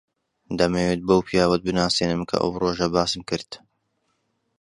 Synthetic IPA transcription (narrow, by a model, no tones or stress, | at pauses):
d̪ɐmeːweːt̪̚bɐwpʰijaːwɐt̪̚bɨnaːseːnɨmkʰɐ̰ʔɐ̰wroːʒɐbaːsɨmkɨɾd̪̥